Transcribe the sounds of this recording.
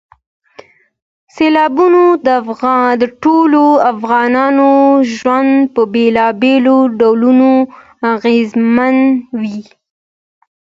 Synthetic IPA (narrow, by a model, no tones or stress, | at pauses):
selɑbunod̪əafɣd̪əʈoloafɣɑnɑnoʒwand̪pəbelɑbeloɖawluno | aɣezmanwi